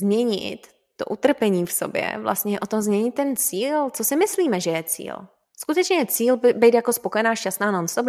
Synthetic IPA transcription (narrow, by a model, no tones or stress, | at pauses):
zmɲɛɲɪ̰t̪ː | o̰ʔut̪r̩pɛɲiːfso̰bjɛ̰vlʔa̰st̪ɲɛjɛʔot̪omzmɲɛɲɪt̪̚ːɛnt͡siːlt͡sosɪmɪsliːmɛʒɛjɛt͡sḭːl | skut̪ɛt͡ʃɲɛjɛt͡siːlbbejt̪jakospokojɛnaːʃcast̪naːnonst̪ob